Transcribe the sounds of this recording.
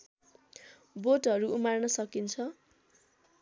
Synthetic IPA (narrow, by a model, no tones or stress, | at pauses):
boʈɦʌɾuumarnʌsʌkint͡sʰʌ